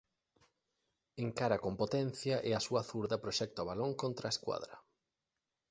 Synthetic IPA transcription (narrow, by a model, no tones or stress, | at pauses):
eŋkaɾɐkompot̪ɛn̟θjɐʔɛɐsuɐθuɾðɐpɾoʃɛk̚t̪oaβaloŋkont̪ɾɐeskwa̰ðɾɐ